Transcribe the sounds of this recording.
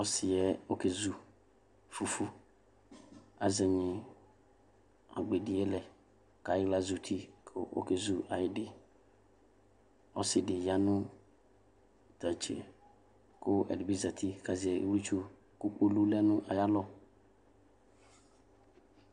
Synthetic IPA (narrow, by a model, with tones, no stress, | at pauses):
ɔ˨sɪ˨jɛ˦o˦ke˨zu˨ | fu˨fu˦ | a˨zɛ˨ɲɪ̃˨ | a̰˨ɡ͡be˨dɪ˨ɛ˦lɛ˨ | ka˨jɪ˦la˦zu˨t̪ʰi˦kʰʊ˦ʔo̰˦ke˨zu˨a˨jɪ˦dɪ˨ | ɔ̰˦sɪ˨dɪ˨ja˨nʊ̃˦ | ta˨t͡ʃḛ˨ | kʊ˦ɛ̰˨dɪ˨bi˦za˨tʰi˦ka˨zɪ˨ɛ˨ḛ˨wu˦t͡ʃu˦ | ku˦k͡po˦lu˦lɛ˦nʊ̃˦ʔa˨ja˦lɔ˦